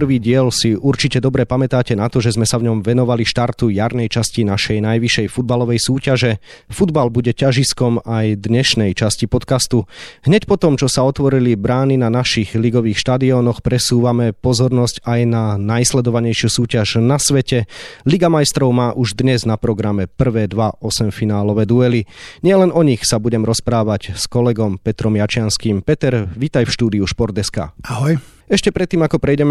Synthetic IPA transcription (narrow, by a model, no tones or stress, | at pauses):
prʋiːɟɪɛlsiʔuɾt͡ʃicɛd̪ɔbɾɛpamɛt̪aːcɛnat̪ɔʒɛzmɛsavɲɔmʋɛnɔʋaliʃt̪aɾt̪ujaɾnɛjt͡ʃascinaʃɛjnajʋiʃɛjfud̪̚balɔʋɛjsuːcaʒɛ | fud̪balbuɟɛcaʒiskɔmajd̪ɲɛʃnɛjt͡ʃascipɔt̪kast̪uɦɲɛcpɔt̪ɔmt͡ʃɔsaɔt̪ʋɔɾilibɾaːninanaʃiɣliɡɔʋiːxʃt̪ad̪iɔnɔxpɾɛsuːʋamɛpɔzɔɾnɔscajnanajslɛd̪ɔʋaɲɛjʃɪusuːcaʒnasʋɛcɛliɡamajst̪ɾɔʊmaːʔuʒd̪ɲɛznapɾɔɡɾamɛpr̩ʋɛːd̪ʋaʔɔsɛmfinaːlɔʋɛːd̪uɛliɲɪɛlɛnɔɲixsabuɟɛmɾɔspɾaːʋacskɔlɛɡɔmpɛt̪ɾɔmjat͡ʃɪanskiːmpɛt̪ɛɾʋit̪ajfʃt̪uːd̪iuʃpɔɾt̪ɛska̰ːaɦɔj | ɛʃcɛpɾɛt̪ːiːmakɔpɾɛjɟɛmɛ